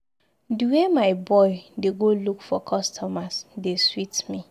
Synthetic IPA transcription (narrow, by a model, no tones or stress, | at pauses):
duwemaɪbɔɪdeɡolukfɔkʰɔstʰɔmasdeswitmĩ